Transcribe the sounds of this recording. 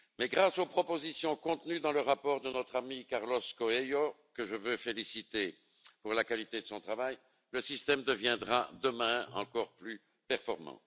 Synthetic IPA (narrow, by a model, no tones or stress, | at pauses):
mɛɡʁasopχɔpozisjɔ̃kɔ̃t̪nyd̪ɑ̃ləʁapɔʁd̪ənɔt̪χamikaʁlɔskɔejo | kəʒəvøfelisit̪e | puʁlakalit̪ed̪əsɔ̃t̪χavaj | ləsist̪ɛmd̪əvjɛ̃d̪ʁad̪əmɛ̃ɑ̰̃kɔʁply | pɛʁfɔʁmɑ̰̃